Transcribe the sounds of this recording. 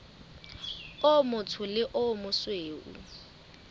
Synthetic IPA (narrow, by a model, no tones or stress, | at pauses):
ʊmʊtʰʊlɪʔʊmʊsweːʔṵ